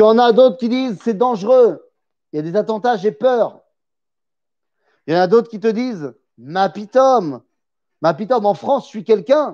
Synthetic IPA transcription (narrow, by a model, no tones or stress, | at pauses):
jɑ̃nad̪ot̪χkʲid̪izsɛd̪ɑ̃ʒʁø | iljad̪ezat̪ɑ̃t̪aʒepœːʁ | jɑ̃nad̪ot̪χkʲit̪əd̪iz | mapit̪ɔmː | apit̪ɔmɑ̃fχɑ̃sʃɥikʲɛlkʲɛ̃